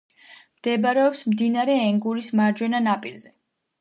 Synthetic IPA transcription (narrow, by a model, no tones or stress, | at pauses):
md̪̥ɛbaɾɛɔpsmd̪inaɾɛɛŋɡuɾismaɾd͡ʒwɛnanapʼiɾzɛ